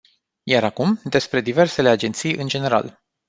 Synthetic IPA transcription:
jaɾakumd̪e̞spɾe̞d̪ive̞rse̞le̞ad͡ʒe̞nt̪sijɨnd͡ʒe̞ne̞ɾa̰l

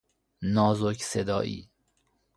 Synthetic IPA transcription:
nɒːzocsed̪ɒ̰ːʔḭː

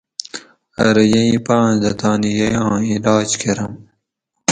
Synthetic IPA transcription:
ɐ̰ɾɐjɐĩpãːnd̪ɐt̪aːnijɐjãːilaːd͡ʑkʰeɾɐm

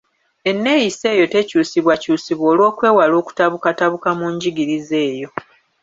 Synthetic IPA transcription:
e̞nːe̞jise̞ːjo̞te̞cuːsiβwacuːsiβwo̞ːlwo̞ːkwe̞ːwalo̞ːku̥taβukataβukamuɲɟiɡiɾize̞ːjo̞

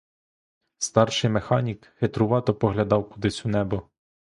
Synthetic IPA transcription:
st̪ɑrʃɪjmexɑnʲikhet̪ɾʊʋɑt̪ɔpɔɦlʲɐd̪ɑwkʊd̪ɪsʲunɛbɔ

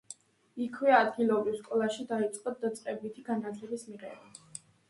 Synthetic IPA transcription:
ikʰwɛad̪ɡilˠɔbɾifskʼɔlˠaʃid̪ait̪sʼqʼɔd̪̚d̪at̪sʼqʼɛbit̪ʰiɡanat̪ʰlɛbismiʁɛ̰ba

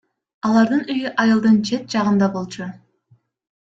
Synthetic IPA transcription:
ɑlˠɑɾd̪ɯnyjyʔɑjɯlˠd̪ɯnt͡ʃʰe̞t̪̚d͡ʒɑʁɯnd̪ɑbo̞lˠt͡ʃʰu

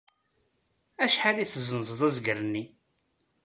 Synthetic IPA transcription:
æʃħaliθəzənzəðˤæzɡəɾənːi

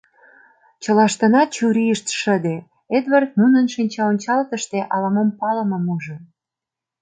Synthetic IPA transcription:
t͡ɕə̆lɑʃt̪ə̆nɑt͡ɕuɾiəʃt̪ʃəd̪e | ed̪vɑrt̪̚munənʃinʲt͡ɕɑonʲt͡ɕɑlt̪əʃt̪eʔɑlɑmompɑlə̆mə̆muʒə

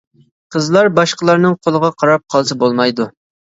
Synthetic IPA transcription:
qʰəzlˠɑɾbɑʃqəlˠɑɾnɨŋqʰolˠəʁɑqʰɑɾɑp̚qʰɑlˠsɨbolˠmɑjd̪u

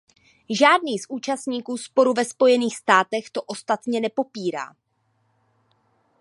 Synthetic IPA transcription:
ʒaːdniːsʔuːt͡ʃast̪ɲiːkuːspo̞ɾuvɛspo̞jɛniːxst̪aːt̪ɛxt̪o̞ʔo̞st̪at̪ɲɛnɛpo̞piːɾa̰ː

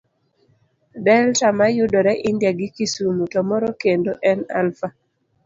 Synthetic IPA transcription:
bɛltamajʊdɔɾɛʔɪndjaɡɪkisumutɔmɔɾɔkendoʔɛna̰lfa

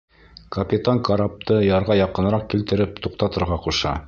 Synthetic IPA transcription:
kɐpʲit̪aŋkɐɾap̚t̪ɤjɑɾʁɑjɑqɤ̆nɾɑq̚kilt̪ɘ̆ɾɘpt̪uqt̪ɑt̪ɤ̆ɾʁɑquʃɑ̰

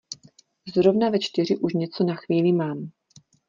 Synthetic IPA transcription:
zɾo̞vnavɛt͡ʃt̪ɪr̝ɪʔuʃɲɛt͡so̞naxviːlɪmaːm

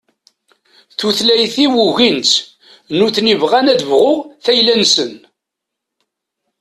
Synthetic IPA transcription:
θuθlæjθiwuʝint̪ | nuθnivʁænæðəvʁʊʁθæjlænsən

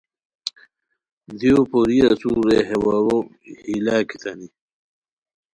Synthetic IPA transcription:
d̪iopoɾiasuɾeɦewawo | hilakit̪ɐni

